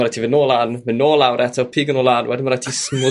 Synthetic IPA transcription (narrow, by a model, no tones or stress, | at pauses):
ɾatʰivɪnoːlˠanvɪnoːlˠawɾʔɛtʰɔpʰiːɡənoːlˠaːnwɛdɪnmaɾatʰismʊ